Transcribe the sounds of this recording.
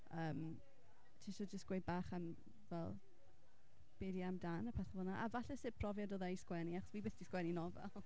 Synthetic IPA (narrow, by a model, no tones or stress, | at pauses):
əːm | tʰeʃɔd͡ʒəstɡwejbaːχan | vɛlˠ | b̥eːdiamdanəpʰɛθɛvɔnaʔavaɬɛsɪpʰrɔvjɔdɔðaiskwɛniaχɔ̥swiːbɪːθd̥iskwɛninɔvɛ̰lˠ